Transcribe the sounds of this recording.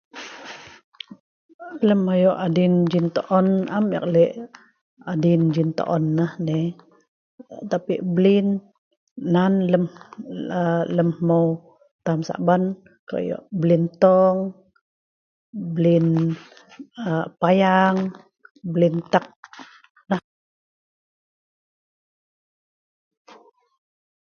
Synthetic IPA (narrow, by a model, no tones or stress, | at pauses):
ləmːajɔʔadind͡ʒint̪oʔɔnamə̰k̚lɛʔ | adind͡ʒint̪ɔ̰ʔɔnːəhne | t̪apiʔblinː | anləmələmːow | t̪amsa̰ʔban | ka̰ʔjɔ̰ʔblint̪ɔŋ | blin | əpajaŋ | blint̪ak̚ | nəh